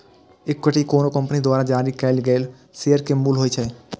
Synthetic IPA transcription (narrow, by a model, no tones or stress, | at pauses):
ekːeʈikoːnokəmpənid̪waːɾad͡ʒaːɾikɛlɡɛːl | seəɾkemuːlɦoet͡ʃʰɛe